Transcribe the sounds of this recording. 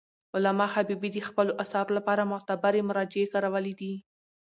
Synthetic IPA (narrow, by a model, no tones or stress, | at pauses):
ʊlamɑxabibid̪əxpəloʔasɑɾolapɑɾamʊt̪abaɾemʊɾɑd͡ʒɪekɑɾawəled̪i